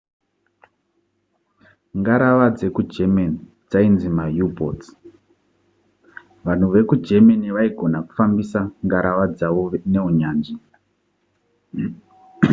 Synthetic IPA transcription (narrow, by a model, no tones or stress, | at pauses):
ŋɡaɾaʋad͡ze̞kud͡ʒemeni | d͡zainzimajubʱot | ʋan̤uʋe̞kud͡ʒe̞meniʋaiɡʱo̞naku̥fambisaŋɡaɾaʋad͡zaʋone̞uɲaːnd͡ʒi